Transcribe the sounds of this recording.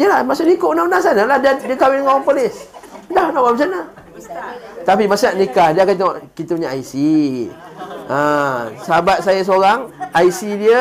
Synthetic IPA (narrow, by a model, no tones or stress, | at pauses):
jəlahmasʊʔdikoʔnanas̬anəlahdiədiəkawɪnŋawaŋpolɪsdahnaʔwaməs̬anə | t̪apimasunaʔnikahdiəakant̪eŋoʔkit̪əpuɲaʔaisi | ə̃səabat̪̚sajas̬oɾaŋaisidiə